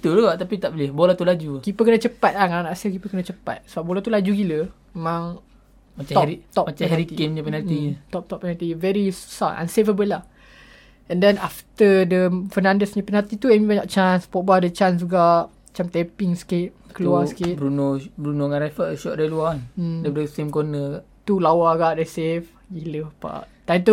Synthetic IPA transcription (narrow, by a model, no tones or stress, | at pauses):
t̪uluɡaʔt̪apit̪aʔbəlɪhbolat̪ulad͡ʒukipəkənət͡ʃəpat̪̚lahŋananaʔasəkipəkənat͡ʃəpa̰t̪̚səbap̚bolat̪ulad͡ʒuɡilə | memãŋ | mataɔɾit̪ɔpmat͡ʃãhɛɾik̪iemɲapɛnat̪it̪ɔp̚t̪ɔpːɛnat̪ivɛɾisaʔã̰nsevəbəlah | ɛ̃ndɛnaft̪ədəfənãndəsɲãpɛnat̪it̪uɛmimaɲaʔt͡ʃãnspɔʔ̚badət͡ʃãnsuɡaʔ | at͡ʃamt̪ɛpiŋskɪt̪̚kəluaŋskɪbɾunobɾunoŋãnɾafəʃɔʔdailuandadəsemkonəɡaʔt̪ulawaɡaʔdɛsef | ɡiləpa̰ʔt̪ajt̪u